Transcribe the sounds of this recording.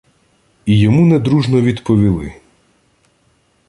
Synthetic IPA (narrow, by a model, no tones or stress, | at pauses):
ijɔmunɛd̪ɾuʒnɔʋʲid̪pɔʋʲilˠɪ̰